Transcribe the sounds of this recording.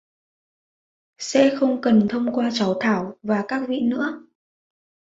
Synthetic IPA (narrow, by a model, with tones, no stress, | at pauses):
sɛ̰˧˥xə˧wŋ͡mkə˨˩nt̪ʰə˧wŋ͡mkwaː˧t͡ɕa˨˦wt̪ʰaː˧˩wvaː˨˩kaː˦˥k̚vḭ˧˨nɨ̰˧˥ə